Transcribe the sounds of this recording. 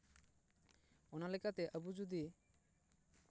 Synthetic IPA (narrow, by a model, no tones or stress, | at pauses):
ɔnalɛkat̪eʔəbud͡ʒud̪i